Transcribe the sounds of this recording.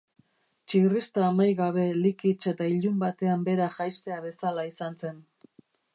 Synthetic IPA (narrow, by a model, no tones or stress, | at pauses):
t͡ʃirist̪aːmajɣaβ̞e̞likit͡ʃe̞t̪aiʎumbat̪e̞ambe̞ɾaʝajst̪e̞aβe̞salaisanse̞n